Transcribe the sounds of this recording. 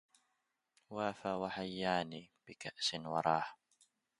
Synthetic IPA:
waːfaːwaħajːaːniːb̥ɪkaʔsɪnwɑ̰ɾˤɑːħ

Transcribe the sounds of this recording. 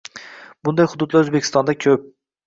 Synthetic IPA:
bʊnd̪ajhʊd̪ʊd̪laɾɵzbekʲʰɪ̥st̪ɒnd̪akʲʰɵp̚

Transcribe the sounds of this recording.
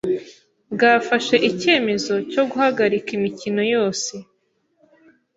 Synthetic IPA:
ɡaːfaʃe̞ʔice̞ːme̞zo̞co̞ɡuhaɡaɾikimicino̞jo̞ːse̞

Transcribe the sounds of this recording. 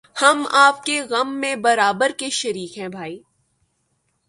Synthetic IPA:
hɐmaːp̚keɣɐmːẽbɐɾaːbəɾkeʃɐɾiːkɦɛ̃bʱaːiː

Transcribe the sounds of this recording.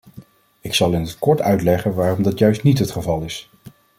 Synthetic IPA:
ɪksɑlˠɪnɦət̚kɔɹtœɥtlɛχənʋaːrɔmdɑtjœɥstnitɦətχəvɑlˠɪs

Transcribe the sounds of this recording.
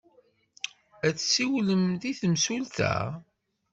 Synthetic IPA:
æt͡sːsiwləmðiθmsult̪æ̰

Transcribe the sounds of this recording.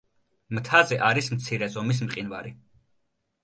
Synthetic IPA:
mt̪ʰazɛʔaɾismt̪sʰiɾɛzɔmis̬mqʼinvaɾi

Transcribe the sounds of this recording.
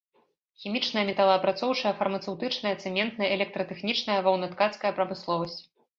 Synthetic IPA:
xʲimʲit͡ʂnɐjɐmʲɛt̪ɐlˠɐɐpɾat̪sɔwt͡ʂɐjɐfɐrmɐt̪sɛwt̪ɨt͡ʂnɐjɐt̪sɛmʲɛnt̪nɐɛlʲɛk̚t̪ɾɐt̪ɛxnʲit͡ʂnɐjɐvɐwnɐt̪kat̪skɐjɐpɾɐmɨslˠɔvɐsʲt͡sʲ

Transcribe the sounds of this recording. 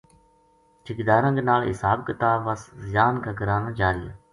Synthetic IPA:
t͡ʃʰɪkd̪aːɾãːɡnaːlɦɪ̰saːbkɪt̪aːʋəszɪjaːnkʰãːɡəɾaːnãːd͡ʒaːɾija̰ː

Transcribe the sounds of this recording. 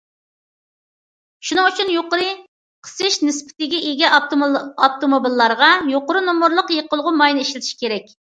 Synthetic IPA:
ʃunɨŋut͡ʃʰynjoqəɾɨ | qʰə̥sɨʃnɨspʰɪ̥t̪ɪɡʲɛʔeɡʲɛ | ɑp̚t̪ʰomobilˠːɑɾʁɑjoqəɾɨnomuɾlˠəqjəqəlˠʁʊmɑjnɨeʃlɪt̪ʰʃi̥kʲʰeɾɛkʲ

